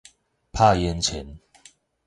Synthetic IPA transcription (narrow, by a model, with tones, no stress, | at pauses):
pʰa˥˧jɛ˧˦nt͡ɕʰɛ˨˦n